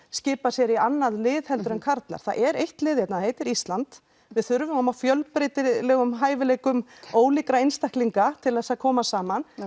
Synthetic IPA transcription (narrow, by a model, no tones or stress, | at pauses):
scɪːpasjɛɾianːaðlɪːðhɛlt̪ʏɾɛnkʰaɾt̪la̰ɾ̥θa̰ðʔɛɾejht̪lɪːðjɛt̪naðheːjt̪ɪɾist̪lant̪ | vɪðθʏɾvʏmɔmawfjœlpɾet̪ɪlɛːɣʏmɦaːjvɪlɛːkʏmoːwlikɾaejnst̪ahkliŋkat̪ʰɪlðɛsaðkʰɔːmasaːman